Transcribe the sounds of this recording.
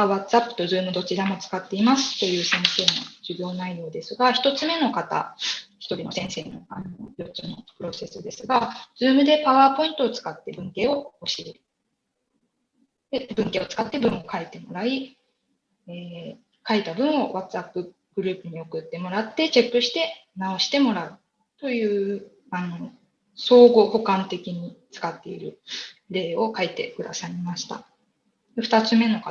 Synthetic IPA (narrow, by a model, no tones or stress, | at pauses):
aβat͡sɨapːɯ̟̥t̪o̞zɨːmɯ̟d̪o̞t͡ɕiɾamo̞t͡sɨ̥kat̪ːe̞imasɨ̥t̪o̞jɯ̟ːsẽ̞ɰ̃se̞ːno̰d͡ʑɨbʲjo̞ːnaijo̞ːd̪e̞sɨɡaçi̥t̪o̞t͡sɨme̞no̞kat̪a̰çi̥t̪o̞ɾʲino̞sẽ̞ɰ̃se̞ːno̞̰ano̞jo̞ɨno̞̰pɯ̟ɾo̞se̞sɨd̪e̞sɨɡazɨːmɯ̟d̪e̞paβaːpo̞ĩnt̪o̞ːt͡sɨ̥kat̪ːe̞bɯ̟̃ŋke̞ːo̞oɕi | d̪ebɯ̟̃ŋke̞o̞t͡sɨ̥kat̪ːe̞bɯ̟̃ɰ̃o̞kaet̪e̞mo̞ɾai | eː | kait̪abɯ̟̃ɰ̃o̞βat͡sɨapːɯ̟ | ɡ̥ɯ̟ɾɯ̟ːpɯ̟ɲ̟io̞kɯ̟t̪ːe̞mo̞ɾat̪ːe̞t͡ɕe̞pːɯ̟ɕi̥t̪e̞nao̞ɕi̥t̪e̞mo̞ɾaɯ̟ | t̪o̞jɯ̟ː | ano̞ | so̞ːɡo̞ho̞kãnt̪e̞kʲiɲ̟it͡sɨ̥kat̪ːe̞iɾɯ̟̰ɾe̞ːo̞kait̪e̞̰kɯ̟d̪asaimaɕi̥t̪a̰ | d̪eɸɯ̟̥t̪at͡sɨme̞no̞ka